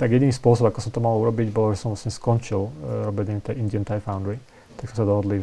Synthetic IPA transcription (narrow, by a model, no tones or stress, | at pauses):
t̪aɡjɛd̪nispʊɔsɔbakɔsɔmt̪ɔmaluɾɔbiɟbɔlɔʒɛsɔmvlasɲɛskɔnt͡ʃilɾɔbiɛɲɛɲit̪ɛːʔind̪ɪənt̪ajfawnd̪ɾi | t̪aɡsɔmsɔd̪ɔɔd̪li